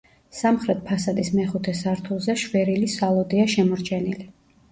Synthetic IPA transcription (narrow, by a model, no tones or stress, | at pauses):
samχɾɛt̪̚pʰasad̪ismɛχut̪ʰɛsaɾt̪ʰulˠzɛʃwɛɾilisalˠɔd̪iaʃɛmɔɾt͡ʃʰɛnili